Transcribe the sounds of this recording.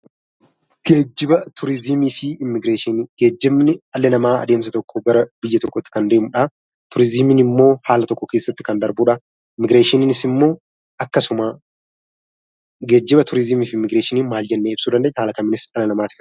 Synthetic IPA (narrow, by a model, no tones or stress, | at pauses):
ɡ̥eːd͡ʒːɪbɐt̪ʰʊɾɪzɪmiːfɪɪmːɪɡɾeːʃɪnɡ̥eːd͡ʒːɪmnɪɐlːɐnɐmaːɐ̰d̪eːmsɐt̪ɔkʰːɔɡɐɾɐbɪjːɐt̪ɔkːɔt̪ːɪ̥kɐnd̪eːmʊᶑa | t̪ʊɾɪzɪmɪnɪmːo̞ːhaːlɐt̪ɔkːɔke̞ːsːɐt̪ːɪ̥kɐnd̪ɐɾbuːᶑɐ | ɪmːɪɡɾeːʃɪnɪnɪsɪmːo̞ː | ʔɐkːɐsʊma | ɡe̞ːd͡ʒːɪbɐt̪ʊɾɪzɪmiːfɪmːɪɡɾeːʃɪniːnmaːld͡ʒɛnːeːɪbsuːd̪ɐnd̪eːʔhaːlɐkɐmːɪnɪsɐlɐnɐmaːt̪ɪ̥f